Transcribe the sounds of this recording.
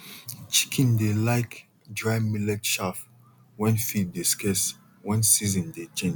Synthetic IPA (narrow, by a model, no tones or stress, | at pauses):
t͡ʃi̥kʰĩndelaɪk | dɹamilɛtʃaf | wɛ̃nfitdeskɛs | wɛ̃nsizɔ̃ndet͡ʃɛ̃n